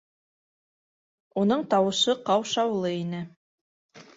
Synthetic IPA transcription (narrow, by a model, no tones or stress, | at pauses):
unɤɴt̪ɑwɤ̆ʃɤqɑwʃɑwlˠɤinɘ